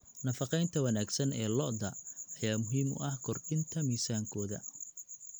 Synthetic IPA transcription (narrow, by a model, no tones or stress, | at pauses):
nɐfɑqɛjnt̪ʰɐwɐnaːɡsɐnɛ̰ːlɔʔd̪ɐʔːjaːmʊɦiːmʊ̰ʔɐhkʰɔrɖɪnt̪ʰɐmiːsaːŋkʰɔːðɐ̰